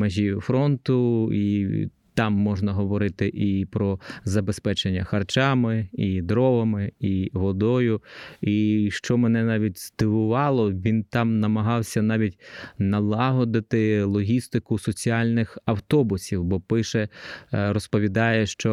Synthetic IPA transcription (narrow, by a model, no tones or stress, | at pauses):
mɛʒʲijʊfɾɔnt̪ʊi | t̪ɑmːɔʒnɐɦɔʋɔɾɪt̪ɪʔipɾɔzɐbespɛt͡ʃenʲːɐxɐrt͡ʃɑmɪid̪ɾɔʋɐmɪiʋɔd̪ɔjʊiʃt͡ʃɔmɛnɛnɑʋʲit̚ʲz̥d̪ɪʋʊʋɑlˠɔʋʲint̪ɑmnɐmɐɦɑwsʲɐnɑʋʲitʲnɐlˠɑɦɔd̪ɐt̪ɪlˠɔɦʲist̪ɪkʊsɔt͡sʲiɑlʲnɪxɐwt̪ɔbʊsʲiwbɔpɪʃɛɾɔspɔʋʲid̪ɑjɛʃt͡ʃɔ